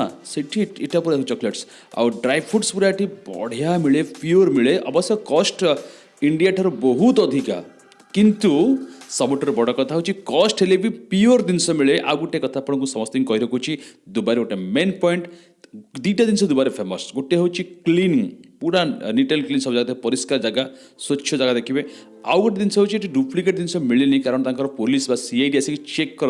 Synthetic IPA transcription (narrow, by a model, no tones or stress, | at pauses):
asiʈʰiʈiʈapuɾat̪ut͡ʃɔkleʈs | a̰wɖɾajbpʰuʈspuɾaʈibɔ̰ɽ̤jamiɭepioɾmiɭeʔʌ̰bɔsjɔkɔsʈ | iɳɖijaʈʰaɾubɔɦut̪ɔd̪ʱika̰ | kint̪usɔboʈɔɾbɔɽɔkɔt̪ʰaɦowt͡ʃʰikɔsʈɦelebipioɾd̪insɔmiɭeʔa̰ɡuʈekɔt̪ʰapɔɽ̃kusɔmɔst̪iŋkɔiɾɔkut͡ʃʰid̪ubaɾeɡoʈemenpɔiɳʈ | d̪iʈad̪insɔd̪ubaɾepʰemɔsɡoʈeɦewt͡ʃʰikliniŋpuɽaniʈelklinsɔbɔd͡ʒaɡad̪ekpɔɾiskaɾd͡ʒaɡa | sot͡ʃːʰjɔd͡ʒaɡad̪ekʰibe | a̰wɡoʈed̪insɔɦewt͡ʃʰieʈiɖupʰlikeʈ̚d̪insɔmiɭinikaɾɔɽ̃ɔt̪aŋkɔɾɔpolisbasiajɖiasiŋkut͡ʃekːɔɾ